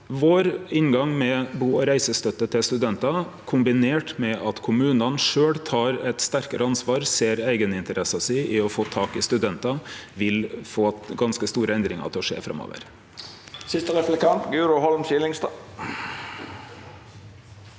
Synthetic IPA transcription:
ʋoːɾɪnɡɑŋmɛbuːɔɾæɪsəst̪œt̪ːət̪ʰɪlst̪ʉd̪ɛnt̪ɑkʰʊmbɪneːʈmɛʔɑt̪kʰʊmʉːnɑnʂøːɽt̪ʰɑːɾɛt̪st̪æɾkəɾʔəɑnsʋɑːɾseːɾæɪɡənɪnt̪əɾʔɛsɑsɛɪʔɪɔfoːt̪ʰɑːkɪst̪ʉd̪ɛnt̪ɑʋɪlfoːɡɑnskəst̪uːɾəɛnd̪ɾɪŋɑ̰t̪ʰɪɔʂḛːfɾɑ̰mo̰ːʋə̰ɾ | sɪst̪əɾɛflɛkɑnt̪ɡʉːɾʊhɔlmʃɪlɪŋst̪ɑː

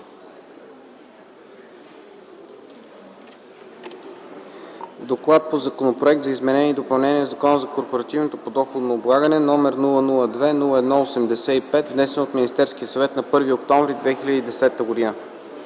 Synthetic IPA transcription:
d̪oklˠat̪̚pozɐkonopɾoɛk̚t̪zɐizmɛnɛniːd̪opɐlˠnɛniɛzɐkɔnəzɐkoɾpoɾɐt̪ivnot̪opod̪ɔxod̪nooblˠaɡənɛnɔmɛɾnulˠənulˠəd̪vɛnulˠəɛd̪nɔosɛmd̪ɛsɛipɛt̪vnɛsɛnot̪minʲist̪ɛɾsk̟iəsɐvɛt̪nɐpɤɾviokt̪ɔ̃ɱvɾid̪vɛxilʲəd̪iːd̪ɛsɛt̪əɡod̪inə

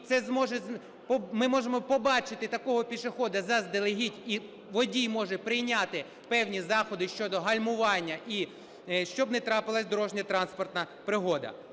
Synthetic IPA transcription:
t̪sɛzmɔʒɛ | pmɪmɔʒemɔpɔbɑt͡ʃɪt̪ɪt̪ɐkɔɦɔpʲiʃexɔd̪ɐzɐzd̪elˠeɦitʲi | ʋɔdʲijmɔʒɛpɾɪjnʲat̪ɪ | pɛwnʲizɑxɔd̪ɪʃt͡ʃɔd̪ɔɦɐlʲmʊʋɑnʲːɐʔi | ʃt͡ʃɔbnɛt̪ɾɑpɪlˠɐsʲd̪ɔɾɔʒnʲɐt̪ɾɑnspɔrt̪nɐpɾɪɦɔd̪ɐ̰

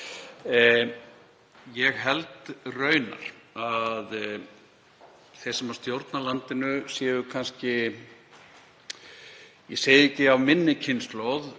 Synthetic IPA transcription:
jɛɣɦɛlt̪rœɥna̰ɾ̥að | θejsɛmawst̪jowɾt̪nalant̪ɪnʏsjɛːðʏkʰanscɪ | jɛseːjðɪecːɪavmɪnːɪcʰɪnslowð

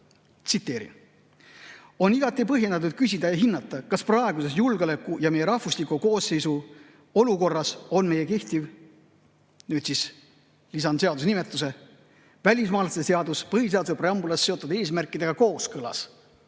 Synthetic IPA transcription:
t̪sit̪ːˑe̞ːɾḭ | o̞niɡ̥ɑt̪ːˑipɤɦjenɑt̪̬ːud̪̥̚kys̬ʲid̪̥ɑjɑɦinːɑt̪ːˑɑkɑsprɑe̞ɡ̥use̞sjulɡeole̞kˑːujɑme̞jeɾɑhvuslikuko̞ːsːe̞jsu | o̞luko̞rːɑso̞nme̞je̞ke̞ht̪iv | nyːd̪sis | lisɑnd̪se̞ɑd̪us̬nimet̪ˑːus̬e̞ | vælʲismɑːlɑsese̞ɑd̪uspɤɦhis̬e̞ɑd̪usepɾeɑmbulɑsːe̞o̞t̪ːˑud̪e̞ːsmærkːˑid̪̥e̞ɡ̥ɑko̞ːskɤlɑ̰s

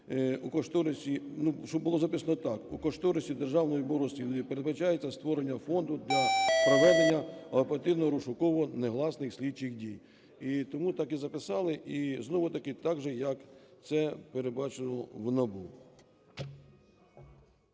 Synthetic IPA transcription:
ukɔʃt̪ɔwnɔsʲinuʃɔbʊlˠɔzɐpɪsɐnɔt̪ɑkukɔʃt̪ɔwnɔsʲtʲid̪erʒɑwnɔjibɔɾɔsʲilipeɾed̪bɐt͡ʃɑjet͡sʲːɐst̪ʋɔɾenʲːɐfɔnd̪ʊd̪lʲɐpɾɔʋɛd̪enʲːɐɐpeɾɐt̪ɪwnɔɾʊʃʊkɔʋɔneɦlˠɑsnɪxsʲlʲidt͡ʃɪxdʲij | it̪ɔmut̪ɑkizɐpɪsɑlˠɪʔiznɔʋʊt̪ɐkɪt̪ɑɡʒɛjɐkt̪sɛpeɾed̪bɑt͡ʃenɔwnɐbu

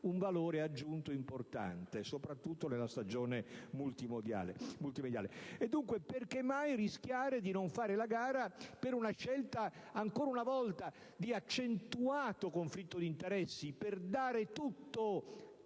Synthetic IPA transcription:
uɱvaloːɾead͡ʒːunt̪oimport̪a̰nt̪esopɾat̪ːut̪ːonelast̪ad͡ʒoːnemult̪imod̪ja̰ːlḛmult̪imed̪jaːleed̪ːuŋkweperkemːajrisk̟jaːɾed̪inoɱfaːɾelaɡaːɾapeɾunaʃɛlt̪aːŋkoːɾaunavɔlt̪a | d̪iat͡ʃːent̪uaːt̪okoɱflit̪ːod̪int̪eɾɛsːiperd̪aːɾet̪ut̪ːo

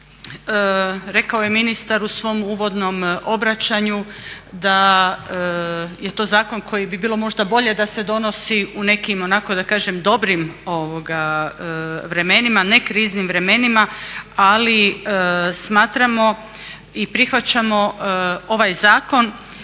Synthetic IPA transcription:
ɾe̞kao̞je̞minist̪aɾusʋo̞muːʋo̞d̪no̞mo̞bɾat͡ɕaɲud̪a | je̞t̪o̞ːzaːko̞nkʰo̞jibibiːlˠo̞mo̞ʒd̪abo̞ʎe̞d̪ase̞d̪o̞no̞siune̞kimo̞nako̞d̪akaːʒe̞md̪o̞bɾimo̞ʋoɡa | ʋɾe̞me̞nimane̞kɾiznimʋɾe̞me̞nimaali | smaːt̪ɾamo̞ | ipɾixʋat͡ɕamo̞o̞ʋajzaːko̞n

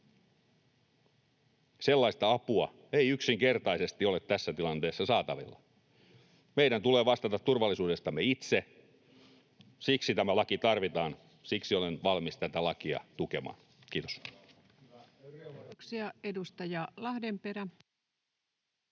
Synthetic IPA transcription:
selːɑist̪ɑɑpuɑ̰ | eiyksiŋkert̪ɑisest̪iolet̪t̪ːæsːæt̪ilɑnt̪eːsːɑsɑːt̪ɑʋḭlːɑ̰ | meiɾænt̪uleːʋɑst̪ɑt̪ɑt̪t̪urʋɑlːˑisuːdest̪ɑmːeit̪se | siksit̪æmælɑkit̪ɑrʋit̪ɑːn | siksiolenʋɑlmist̪æt̪ælɑkiɑ̰t̪ukḛmɑ̰ːn | kiːt̪o̥s | ksiɑedust̪ɑjɑlɑhdempeɾæ

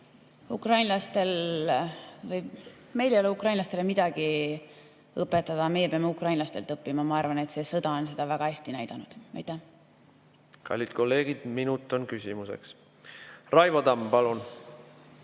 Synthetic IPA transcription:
ukrɑjnlɑst̪e̞l | vɤj | me̞jlejoleukrɑjnlɑst̪e̞lemid̪̥ɑɡ̥i | ɤpːˑet̪ːˑɑd̪̥ɑme̞jepeɑmeukrɑjnlɑst̪e̞lt̪ɤpːimɑmɑɑrvɑne̞t̪se̞sɤd̪̥ɑo̞nse̞d̪̥ɑvæɡ̥ɑhæsʲt̪inæjd̪̥ɑnud̪̥ɑ̰jt̪ːˑæh | kɑ̰lʲːit̪̚ko̞lːe̞ːɡ̥id̪̥minut̪ːˑo̞nkysimusḛks | rɑjvɑd̪ɑmpɑlun

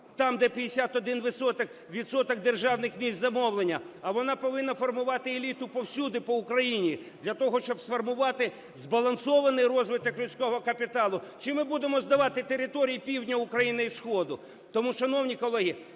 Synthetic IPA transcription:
t̪ɑmd̪ɛpʲid̪esʲat̪ɔd̪ɪnʋɪsɔt̪ɐk | ʋʲid̪sɔt̪ɔk̚d̪erʒɑwnɪxmʲisʲt̪ʲzɐmɔwlˠenʲːɐ | ɐʋɔnɑpɔʋɪnːɐfɔrmʊʋɑt̪ɪelʲit̪ʊpɔwsʲud̪ɪpɔʊkɾɐjinʲi | d̪lʲɐt̪ɔɦɔʃt͡ʃɔbsfɔrmʊʋɑt̪ɪ | zbɐlˠɐnsɔʋɐnɪjrɔzʋɪt̪ɔklʲʊsʲkɔɦɔkɐpʲit̪ɑlˠʊt͡ʃɪmɪbud̪emɔzd̪ɐʋɑt̪ɪt̪eɾɪt̪ɔɾʲijipʲiwdʲnʲɐʊkɾɐjinɪisxɔd̪ʊ | t̪ɔmuʃɐnɔwnʲikɔlˠɛɦi

